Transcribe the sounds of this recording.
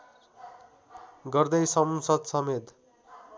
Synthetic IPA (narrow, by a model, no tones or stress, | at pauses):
ɡʌrd̪ʌjsʌmsʌd̪sʌmet̪